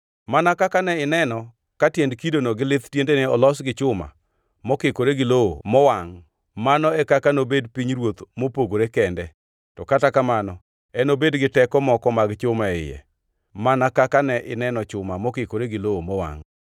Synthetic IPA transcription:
manakakanɛɪnɛnɔ | katjɛndkidonoɡɪlɪt̪tjendeneɔlɔsɡɪt͡ʃʊma̰ | mɔkɪkoɾeɡɪlowo̰mɔwaŋ | manɔɛkakanobedpiɲɾwot̪mopoɡoɾekɛndɛ | tɔkatakamanɔ | ɛnobedɡɪtɛkɔmɔkɔmaɡt͡ʃʊmaɪ̰jɛ̰ | manakakanɛʔɪnɛnɔt͡ʃʊmamɔkɪkoɾeɡɪloomɔwa̰ŋ

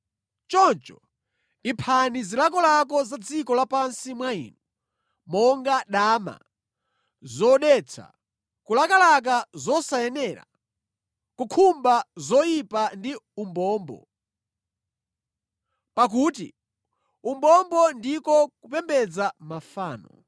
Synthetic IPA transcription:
t͡ʃɔnt͡ʃɔ | ipʰanizilak̬ɔlak̬ɔzad͡zikɔlapansimwaḭːnu | mɔŋɡaɗaːma̰ | zɔɗɛt͡sʰa̰ | kulakalak̬azɔsajɛnɛɾa̰ | kukʰumbazɔjipandiumbɔːmbɔ̰ | pak̬uːti | umbɔmbɔndikɔkupɛmbɛd͡zamafaːnɔ̰

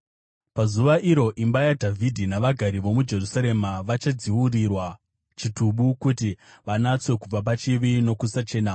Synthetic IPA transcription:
pazuʋaʔiɾo̞ʔimbajadʱavʱidʱinaʋaɡʱaɾiʋo̞mud͡ʒe̞rusaɾe̞maʋat͡ʃad͡ziwurirwa | t͡ʃituɓukutiʋanat͡swe̞kub͡vapat͡ʃiʋino̞kusat͡ʃe̞ːna

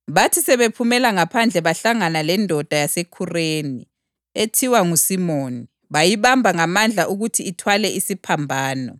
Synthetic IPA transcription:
βatʰisɛβepʰumɛlaŋapʰand͡ɮʱɛβaɬaŋanalɛndʱɔd̥ʱajasekʰureːni | etʰiwaŋusimoːni | βajiβambʱaŋamand͡ɮʱaʔuɣutʰiːtʰwalɛʔisipʰambʱaːnɔ

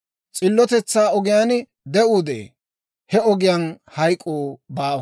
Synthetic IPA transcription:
t͡sʼɪlːɔt̪ɛt͡sːaːɔɡɪjaːn | d̪ɛuːd̪ḛː | hɛɔɡɪjaːn | hɐjkʼːoːbaːwɐ

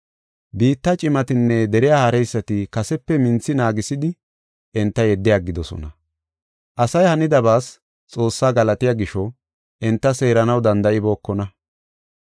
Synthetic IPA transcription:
biːt̪ːɐt͡ʃʼɪmɐt̪ɪnːɛd̪ɛɾɪjaːhɐɾɛjsːɐt̪ɪkɐsɛpːɛmɪnt͡sːɪnaːɡɪsɪd̪ɪ | ʔɛnt̪ːɐjɛd̪ːɪjaɡːɪd̪ɔsɔ̰nɐ | ʔɐsɐjhɐnɪd̪ɐbaːs | t͡sʼo̞ːsːaːɡɐlɐt̪ɪjaːɡɪʃɔ | ʔɪnt̪ːɐse̞ːɾɐnɐwd̪ɐnd̪ɐʔɪbo̞ːkːɔnɐ

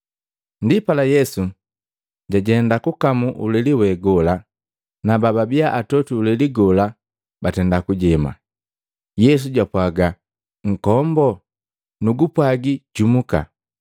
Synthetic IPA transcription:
ndipalajɛsu | ɟaɟɛndakukamuʔṵlɛliwɛɡɔla | nabababiaʔatɔtuːlɛliɡɔla | batɛndakuɟɛma̰ | jɛs̬uɟwapwaɡa | ŋ̩kɔmbɔ | nuɡupwaɡiɟ̥umuka̰

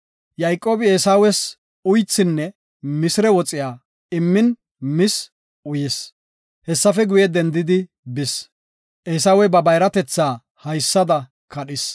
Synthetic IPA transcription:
jɐjkʼːoːbɪeːsaːwɛs | ʊjt͡sːɪnːɛ | mɪsɪɾɛwɔt͡sʼɪjaː | ɪmːɪn | mɪs | ʊjɪs | hɛsːɐfɛɡʊjɛd̪ɛnd̪ɪd̪ɪ | bɪs | ʔeːsaːwɛbɐbɐjɾɐt̪ɛt͡sːaː | hɐjsːɐd̪ɐ | kɐɗɪs

